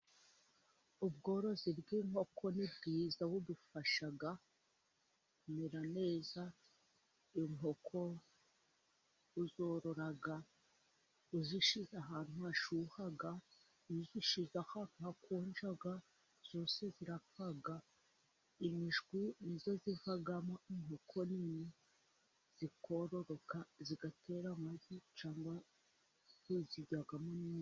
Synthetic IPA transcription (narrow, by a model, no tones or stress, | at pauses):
ubɡo̞ːɾo̞zibɡiːŋ̥ho̞kʰonibɡiːzawudufaʃaɡa | kumeɾane̞ːza | iŋo̞kʰo̞ | uzo̞ːɾo̞ɾaɡa | uziʃizaɦaːnhuaʃuhaɡa | iziʃizahanuhakoːnd͡ʒaɡa | z̥oːse̞ziɾafaɡa | imiʒɡwinizo̞zivaɡamoin̥okʰonini | z̥ikoɾo̞ɾo̞kaziɡatʰe̞ɾamazit͡ʃaːmba | zuziɟaɡamoni